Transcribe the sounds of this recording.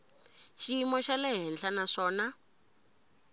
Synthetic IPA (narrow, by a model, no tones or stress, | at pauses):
ʃiimɔʃalɛɦɛnɬanaʂɔːna